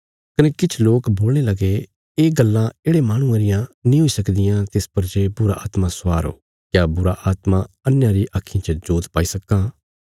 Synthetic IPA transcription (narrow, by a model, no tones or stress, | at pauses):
kɐnekɪt͡ʃʰloːkboːlɽ̃elɐɡe | eːɡɐlːãeːɽemaːɽ̃ʊ̃ãɾɪjãnĩɦoisɐkd̪ɪjãt̪ɪspɐɾd͡ʒeːbʊɾa̰ʔa̰ːt̪mãsʋaːɾo̰ː | kjaːbʊɾaʔaːt̪mã | ɐnjãɾiʔakʰːĩt͡ʃəd͡ʒoːt̪paːisɐkːãː